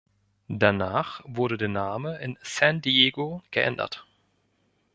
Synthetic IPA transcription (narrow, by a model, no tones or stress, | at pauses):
d̥anaːχvʊɐɾədeːɐnaːməʔɪnsãndieːɡoɡ̥əʔɛ̰ndɐ̰t